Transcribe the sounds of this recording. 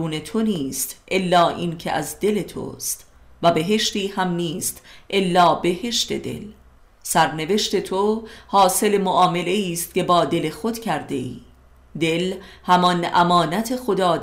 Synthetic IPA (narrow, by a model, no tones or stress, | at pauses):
uːne̞t̪ʰo̞niːst̪ʔe̞lːɒːʔiːncʰe̞̰ʔæ̰zd̪e̞le̞t̪ʰo̞̰ːst̪ | væbe̞ɦe̞ʃt̪iːhæmniːst̪ʔe̞lːɒːbe̞he̞ʃt̪e̞d̪e̞̰l | sæɾne̞ve̞ʃt̪e̞t̪ʰohɒːse̞lemoʔɒːme̞le̞iːst̪̚cʲe̞bɒːd̪e̞le̞xo̞d̪̥cʰæɾd̪e̞̰ʔiː | d̪e̞lhæmɒnæ̰mɒːnæt̪ʰe̞xo̞d̪ɒːd̪